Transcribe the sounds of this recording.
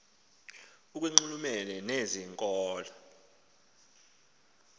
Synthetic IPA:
uk̬ʼweŋ͡ǀulumɛlɛneziŋkʼɔːla

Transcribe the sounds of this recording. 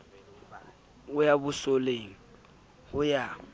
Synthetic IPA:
ʊjabʊsoleŋ̩ | hʊja

